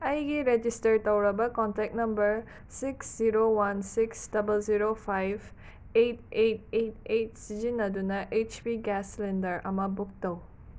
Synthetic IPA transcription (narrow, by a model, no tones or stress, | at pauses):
ɐjɡiɾed͡ʒistɐɾt̪ɐwɾɐbɐkɔntɛk̚nɐmbəɾ | siksziɾowansiksdɐbəlziɾopʰajv | etet̚et̚et̚sizinɐdunɐʔet͡ʃpiɡɛslendəɾɐ̰mɐbuk̚tɐw